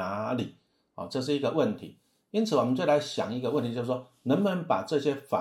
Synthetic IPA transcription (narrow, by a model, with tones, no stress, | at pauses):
a˨˦lḭ˨˩˦ | ɔ̰˨˩t͡sɤ˥˧ʂ̬ɻ̩˥˩i˧ɡə˨wə˥˩nt̪ʰḭ˨˦ | i˥nt͡sʰɨ˨˩˨wɔ˨˩mə˨nt͡ɕjla˧˦ɪɕja̰˨˩ŋi˧˥ɡə˧wə˥˩nt̪i˨t͡ɕjs̩˥ʂwɔ˥˦ | nə˨˧˦ŋmə˨˧˦npa̰˨˩t͡sɤ˥˧ɕjɛ˦fa̰˨